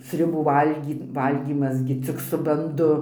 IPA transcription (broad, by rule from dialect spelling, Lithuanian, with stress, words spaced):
sʲrʲʊˈbuː ˈʋɐlʲɡʲiː ˈʋɐlʲɡʲiːmɐs ɡʲɪ ɘt͡sʲɪk sʊ bɐnˈdʊ